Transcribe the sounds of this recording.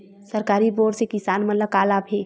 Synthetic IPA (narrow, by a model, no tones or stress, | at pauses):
səɾkaːɾiboːɖsekɪsaːnmət̪ləb̚kaːlabʱeː